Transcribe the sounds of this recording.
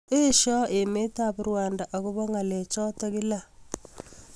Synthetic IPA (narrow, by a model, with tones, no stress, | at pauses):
e˦ʃɔ˦ʔe˨me˦ta˦βu˦ɾwa˨nda˨ʔa˨ɣo˦βɔ˦ŋa˨le˨t͡ʃɔ˦tɔ˦ɣɪ˦la˦